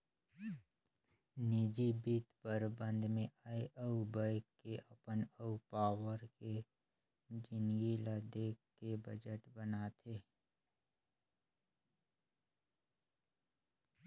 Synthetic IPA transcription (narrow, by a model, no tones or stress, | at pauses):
niːd͡ʒibiːt̪pəɾbə̃nd̪ʱmẽʔaiʔəubaɪkːeʔɐpənəupaːwəɾke | d͡ʒɪnɡilad̪eːkːebəd͡ʒəʈbənat̪ʰeː